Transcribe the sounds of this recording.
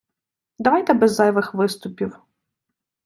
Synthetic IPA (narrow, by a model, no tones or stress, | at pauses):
d̪ɐʋɑjt̪ɛbɛzːɑjʋɪxʋɪst̪ʊpʲiw